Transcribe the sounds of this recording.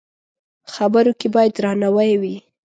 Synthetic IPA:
xabəɾokebɑjad̪ɾɑnawajwi

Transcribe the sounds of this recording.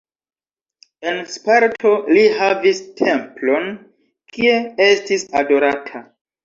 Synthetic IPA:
e̞nspaɾtʰo̞lihavistʰe̞mplo̞n | kie̞estisado̞ɾatʰa

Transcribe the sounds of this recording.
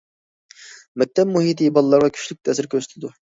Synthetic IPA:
mɛk̚ʲt̪ʰɛp̚muɦit̪ʰibɑlˠɨlːˠɑɾʁɑkʲʰy̥ʃlyk̚ʲt̪ʰɛsɪɾkʲʰøsy̥t̪ʰɪd̪u

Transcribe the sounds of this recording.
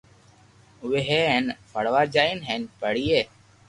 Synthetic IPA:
weɦeːenfʰəɽʋaːd͡ʒaːinɦeːnpəɽiːeː

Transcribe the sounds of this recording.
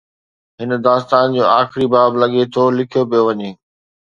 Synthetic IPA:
ɦɪnəd̪aːst̪aːnd͡ʑoːaːxɪɾibaːblɐɠet̪ʰolɪkʰijopijoʋɐɲeː

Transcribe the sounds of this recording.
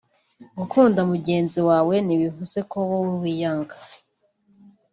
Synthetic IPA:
ɡukʰuːndamuɟe̞ːnziwaːwe̞niβivuze̞ko̞wouwijaŋɡa

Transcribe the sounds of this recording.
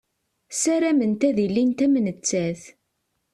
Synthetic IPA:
sæɾæmənt̪æðilːint̪æmnət͡sːæθ

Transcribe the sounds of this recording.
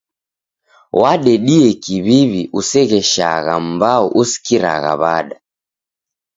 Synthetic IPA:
waɗɛɗiɛkiβiβiʔusɛɣɛʃa̰ɣa̰m̩bauʔusi̥kiɾa̰ɣa̰βaɗa

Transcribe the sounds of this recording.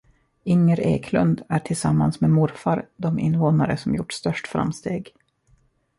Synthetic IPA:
ɪŋːəɾḛːkʰlɵnd̪æʈʰɪlsamːansmemʊɾfaɾd̪ɔmɪ̰nːvoːnaɾə̰sɔmjʊʈːst̪œʂʈfɾa̰mst̪eːɡ

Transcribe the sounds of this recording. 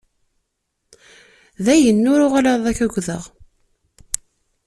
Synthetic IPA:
ðæjənːʊɾʊʁalaðˤæçæɡʷðəʁ

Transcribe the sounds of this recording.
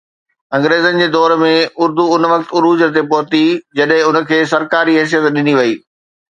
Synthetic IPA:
ɐ̃ŋɡɾeːzənɪ̆d͡ʑeːd̪ɔːɾmẽʊɾd̪uʊnʋɐkt̪ʊɾuːd͡ʑət̪̬epɔɦt̪id͡ʑɐɗɦɪ̃ʊnə̆kʰeːsɐɾkaːɾiɦɪs̬ijət̪ɗɪniʋɐiː

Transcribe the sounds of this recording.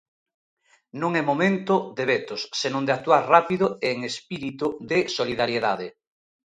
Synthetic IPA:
nõŋɛmomẽnt̪ʊd̪eβet̪ʊsːenõnd̪ɪak̚t̪uaɾrapiðʊeːŋespiɾit̪uðɪsoliðaɾjeðaðɪ

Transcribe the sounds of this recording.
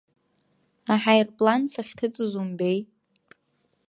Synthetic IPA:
aħajrpʼlant͡sʰaχʲtʰɨt͡sʼɨzumbe̞j

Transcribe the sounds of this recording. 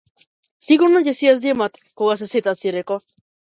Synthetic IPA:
siɣuɾnocesiazd̪emat̪ | koɣas̬eset̪asiɾeko

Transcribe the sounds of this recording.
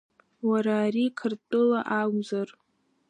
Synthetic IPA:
waɾaːɾikʰɨrtʼɨlaʔaɡʷzar

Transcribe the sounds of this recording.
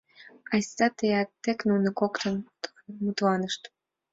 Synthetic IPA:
ɑjsɑt̪ejæk̚t̪eknunə̆kokt̪ən | mut̪lɑnəʃt̪

